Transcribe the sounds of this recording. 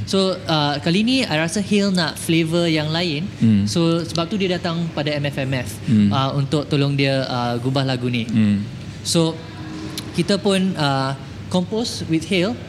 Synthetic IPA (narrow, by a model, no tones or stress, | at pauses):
soəkalinĩajɾasahilnaʔflevəjaŋlaɪnsosəbap̚t̪udiədat̪ãŋpadaɛmɛfɛmɛfʔəunt̪ʊk̚t̪olɔŋdiəəɡubahlaɡuni | so | kit̪apunə | kɔmposwit̪̚hil